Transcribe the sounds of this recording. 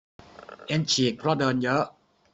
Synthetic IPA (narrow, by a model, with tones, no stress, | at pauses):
ʔe˧nt͡ɕʰiː˨˩k̚pʰɾɔ˦˥dɤː˧njɤ˦˥ʔ